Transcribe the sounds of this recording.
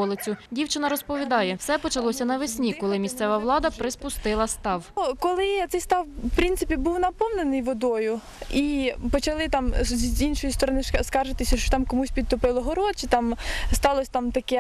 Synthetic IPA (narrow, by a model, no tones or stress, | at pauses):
ɔlˠɪt͡sʲʊdʲiwt͡ʃɪnɐɾɔspɔʋʲid̪ɑjɛwsɛpɔt͡ʃɐlˠɔsʲɐnɐʋɪsʲnʲikɔlˠɪmʲist̪sɛʋɐʋwlˠɑd̪ɐpɾɪspʊst̪ɪlˠɐst̪ɑwkɔlˠɪt̪sɛjst̪ɑwpɾʲinsɪpʲibuwnɐpɔwnenɪjʋɔd̪ɔjʊ | ipɔt͡ʃɐlˠɪt̪ɑmzʲinʃɔjist̪ɔɾɔnɪʃskɑʒɪt̪ɪsʲɐʃt͡ʃɔ̥t̪ɑmkɔmusʲpʲid̪̚t̪ɔpɪlˠɔɦɔɾɔt͡ʃit̪ɑmst̪ɑlˠɔsʲt̪ɑmt̪ɐkɛ